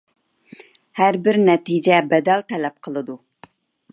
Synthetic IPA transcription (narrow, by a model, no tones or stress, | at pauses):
hæɾbɪɾnɛt̪id͡ʒɛbɛd̪ɛlt̪ʰɛlɛp̚qʰəlˠɨd̪u